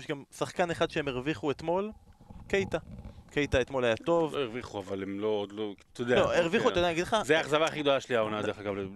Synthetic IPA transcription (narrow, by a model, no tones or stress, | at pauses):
ʃɡamsaχkaneχad̪ʃehemeʁviχuet̪mo̞lkejt̪ake̞jt̪aet̪mo̞lajat̪o̞veʁviχuavalemlood̪lot̪od̪eloeʁviχuttod̪anaɡidleχazeaːχzavaːχiɡd̪o̞laʃliaonad̪eeχaɡavle